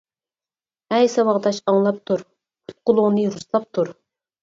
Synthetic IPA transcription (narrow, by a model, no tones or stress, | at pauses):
ɛjsɑwɑʁd̪ɑʃɑŋlˠɑp̚t̪ʰuɾ | qʰʊ̥t̪̚qʊlˠʊʁnɨɾuslˠɑp̚t̪ʰuɾ